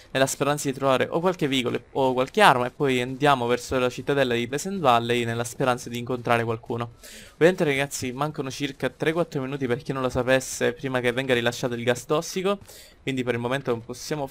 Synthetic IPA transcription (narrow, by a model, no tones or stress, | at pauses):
nelːaspeɾant̪sad̪it̪ɾovaːɾeʔo̰kːwalkevːiːɡolookːwalkearmaepːɔjand̪jaːmovɛrsolat͡ʃit̪ːad̪ɛlːad̪ipɛsɛnvalːejnelːaspeɾant̪sad̪iːŋkont̪ɾaːɾekwalkuːnoovjament̪eɾaɡat̪sːimaŋkonot͡ʃirkat̪ɾekːwat̪ːɾominuːt̪̬iperkinːõnlosapesːepɾiːmak̟evːɛŋɡaɾilaʃːaːt̪oilɡast̪ɔsːiko | kwind̪ipeɾilmoment̪oposːjaːmo